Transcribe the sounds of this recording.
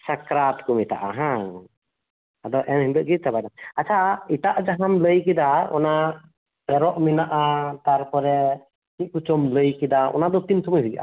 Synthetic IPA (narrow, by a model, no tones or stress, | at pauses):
sakɾat̪kumit̪a̰ʔa̰ɦã | ad̪ɔʔɛnhind̪ɔʔɡit̪̚ˀt̪abajnaat͡ʃʰaiʈ̪aʔd͡ʒaɦamləjkid̪aɔ̰na | bɛɾɔʔminaʔat̪aɾpɔɾɛ | kit̪̚kut͡ʃɔmləjkid̪aɔ̰nad̪ɔt̪int̪ʰuməjɦuɡʔa̰